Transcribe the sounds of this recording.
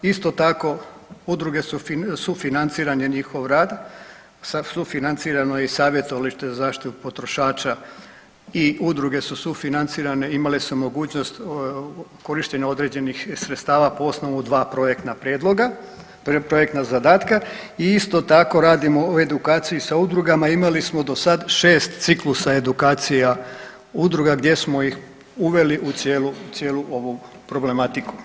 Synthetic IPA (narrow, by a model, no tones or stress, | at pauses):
ist̪o̞t̪ako̞ud̪ɾuɡe̞sufisufinant̪siːɾanje̞ɲixo̞ʋɾaːd̪ | ssufinant̪siːɾanojeisaːʋje̞t̪o̞ʋaliʃt̪ezazaːʃt̪it̪upo̞t̪ɾo̞ʃaːt͡ɕa | iud̪ɾuɡe̞susufinant̪siːɾaneimalisumo̞ɡuːt͡ɕno̞st̪ | ko̞ɾiʃt̪e̞ɲao̞d̪ɾe̞d͡ʑe̞nixsɾet̪st̪aːʋapo̞o̞sno̞ʋud̪ʋaːpɾojekt̪napɾjed̪loɡa | pɾo̞jek̚t̪nazad̪aːt̪kaiist̪o̞t̪ako̞ɾaːd̪imo̞oe̞d̪ukaːt̪sijisaud̪ɾuɡamaimalismo̞d̪o̞sad̪ʃe̞ːst̪t̪siklusae̞d̪ukaːt̪sija | ud̪ɾuɡaɡd̪je̞smo̞jix | uʋe̞liʔut̪sjeːlut̪sje̞ːluʔo̞ʋupɾo̞ble̞mat̪iku̥